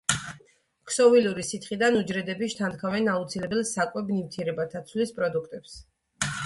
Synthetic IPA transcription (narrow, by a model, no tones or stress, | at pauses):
kʰsɔviluɾisit̪ʰχid̪anud͡ʒɾɛd̪ɛbiʃt̪ʰand̪̚kʰavɛnaut̪sʰilɛbɛlˠsakʼwɛbnivt̪ʰiɛɾɛbat̪ʰat̪sʰwlispʼɾɔd̪ukʰt̪ʼɛps